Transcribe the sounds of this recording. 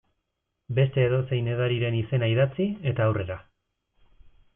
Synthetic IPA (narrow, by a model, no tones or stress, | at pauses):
be̞st̪e̞ːðo̞se̞jne̞ð̞aɾiɾe̞nise̞naiðat͡sie̞t̪aːwre̞ɾa